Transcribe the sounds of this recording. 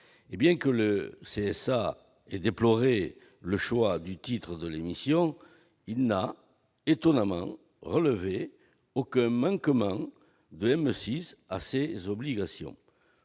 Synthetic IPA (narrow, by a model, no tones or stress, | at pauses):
ebjɛ̃kələseɛsa | ɛd̪eplɔʁe | ləʃwad̪yt̪it̪χəd̪əlemisjɔ̃ | ilna | et̪ɔnamɑ̰̃ | ʁələve | okɛ̃mɑ̃ŋkəmɑ̃ | d̪əɛmøsisa̰sezɔbliɡasjɔ̰̃